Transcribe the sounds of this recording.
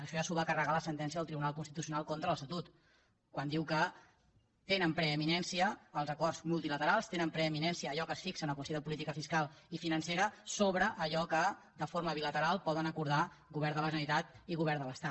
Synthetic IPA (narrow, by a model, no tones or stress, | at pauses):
əʃɔasuβəkərəɣaləsənt̪ɛns̬iəðəlˠt̪ɾiβunalˠkunst̪it̪usiunalˠkont̪ɾələst̪ət̪ut̪ | kwand̪iwkə | t̪enəmpɾəːminɛnsiəːlˠzəkɔrzmulˠt̪ilət̪əɾalˠst̪enəmpɾəːminɛnsiəːʎɔkəsfiksənəkwəst̪ioðəpulit̪ikəfiskalˠ | ifinənseɾəsoβɾəʔːʎɔkə | d̪əfoɾməβilət̪əɾalˠpɔðənəkuɾða | ɣuβɛɾd̪ələʒənlit̪at̪iɣuβɛɾd̪ələst̪a